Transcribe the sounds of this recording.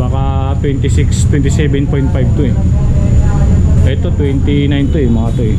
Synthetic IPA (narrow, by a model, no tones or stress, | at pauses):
maka | t̪wɛnt̪isikst̪wɛnt̪isɛbɛnpɔin̚pajb̚t̪uja | dait̪ut̪wɛnt̪inajnt̪ujamakat̪uja